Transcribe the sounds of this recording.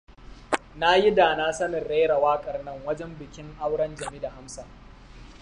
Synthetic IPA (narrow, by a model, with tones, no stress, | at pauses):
na˦ji˦daː˨na˦sɐ˦nɪ˨rɽe˦ɽɐ˨waː˦kʼɐ˨rnɐ˦ŋwɐ˦d͡ʒɛ˦mbɪ˨kʲɪ˦ŋʔa˦wɽɐ˦nd͡ʒɐ˨mi˦da˨ha˦msa˨